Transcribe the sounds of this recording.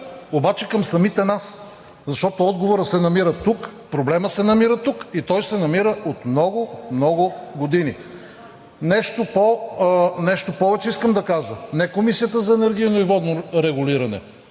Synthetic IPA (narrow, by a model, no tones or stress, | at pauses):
obat͡ʃɛkɐmsɐmit̪ɛnas | zɐʃt̪ɔt̪oɔd̪ɡovoɾəsɛnɐmiɾət̪ukpɾoblɛməsɛnɐmiɾət̪ukit̪ɔjsɛnɐmiɾəʔot̪mnɔɡʊmnɔɡʊɡod̪ini | nɛʃt̪opo | nɛʃt̪opɔvɛt͡ʃɛiskəmd̪ɐkaʒənɛkomisijət̪əzɐɛnɛɾɡʲiənoivɔd̪noɾɛɡʊliɾɐnɛ̰